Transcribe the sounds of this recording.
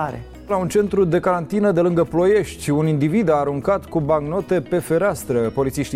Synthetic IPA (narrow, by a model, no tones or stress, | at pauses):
ɾe | launt͡ʃe̞nt̪ɾud̪e̞kaɾant̪inəd̪e̞lɨŋɡəplo̞je̞ʃt̪ʲunind̪ivid̪aːɾuŋkat̪kubaŋɡno̞t̪e̞pe̞fe̞ɾast̪ɾəpo̞lit̪siʃt̪i